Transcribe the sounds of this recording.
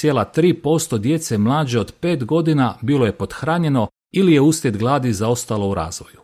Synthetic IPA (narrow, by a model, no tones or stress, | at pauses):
sjeːlˠat̪ɾiːpo̞st̪o̞d̪je̞t̪semlˠaːd͡ʑeo̞d̪pe̞ːt̪ɡo̞d̪inabiːlˠo̞je̞po̞t̪xɾaːɲe̞no̞ | ilijeusljet̪ɡlˠaːd̪izao̞st̪alˠo̞uɾa̰ːzʋo̞ju